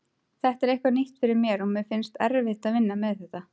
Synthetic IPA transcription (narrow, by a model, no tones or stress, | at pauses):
θɛht̪ɛɾejhkvaniht̪fɪɾɪɾmjɛɾɔmɪfɪnst̪ɛɾvɪht̪aðvɪnːamɛðθɛht̪a